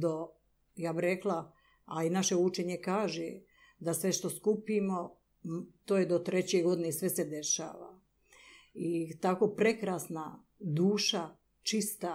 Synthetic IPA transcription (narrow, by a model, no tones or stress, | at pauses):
d̪o | jaːbiɾe̞klˠa | alinaʃe̞ut͡ʃeɲe̞kaːʒe | d̪asʋe̞ʃt̪o̞skupimo̞ | t̪oːjed̪ot̪ɾet͡ɕeɡo̞d̪inesʋe̞se̞d̪e̞ʃa̰ːʋa̰ | it̪ako̞ːpɾe̞kɾaːsna | d̪uːʃa | t͡ʃist̪a